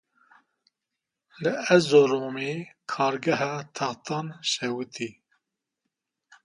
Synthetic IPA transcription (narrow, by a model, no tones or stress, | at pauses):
lɨɛzoɾoːmikʰɑːɾɡɛɦɑːt̪ʰɑχt̪ʰɑːnʃɛwɨt̪ʰi